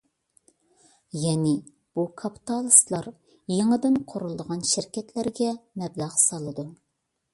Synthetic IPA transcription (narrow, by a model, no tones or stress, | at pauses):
jɛnɪ | b̥ukʰɑpʰi̥t̪ʰɑlˠɨslˠɑɾ | jeŋəd̪ɨnqʰoɾulˠd̪əʁɑnʃɪɾkʲʰɛt̪ʰlæɾɡʲɛmɛblæʁsɑlˠɨd̪u